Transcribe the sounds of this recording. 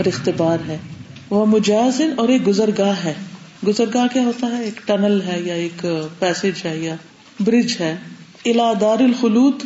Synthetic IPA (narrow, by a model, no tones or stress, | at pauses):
ɔɾɪxt̪ɪbaːɾɦɛːʋɐmʊd͡ʒaːzɪnɔːɾeːk̚ɡʊzəɾɡaːɦɛː | ɡʊzəɾɡaːkjaːɦoːt̪aɦɛeːkʈɐnəlɦɛːjaeːkpɛːsɪd͡ʒɦɛːja | bɾɪd͡ʒɦɛː | ɪlaːd̪aːɾɪlxʊluːt̪